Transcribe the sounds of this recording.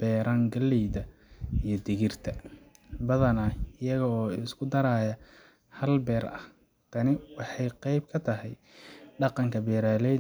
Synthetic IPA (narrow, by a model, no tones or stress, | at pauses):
b̥ɛːɾaŋɡɐlːɛjðɐ | ijɞd̪ɪɣɪrt̪ʰɐ | bɐðɐnaɪjɐɣɐɔːɪskʰʊd̪ɐɾaːjɐ | hɐlbɛːɾɐ̰h | t̪ʰɐnɪwɑħɑjqɑjb̚kʰɐt̪ʰɐɦɛj | ɖɑqɑŋkʰɐbɛːɾaːlɛj